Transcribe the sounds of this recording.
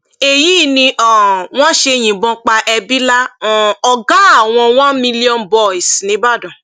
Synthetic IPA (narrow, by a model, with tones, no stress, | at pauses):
e˨ji˨˦˨nĩ˧ʔɔ˨w̃ɔ̃˦ʃe˧j̃ĩ˨bɔ̃˧k͡pa˧ʔɛ˧bi˦la˦ɔ˨ɔ˧ɡã˦a˦˨w̃ɔ̃˧w̃ɔ̃˦mĩ˧li˦ɔ̃˦nbɔ˧˨i˨snĩ˨˦ba˦˨dɔ̃˨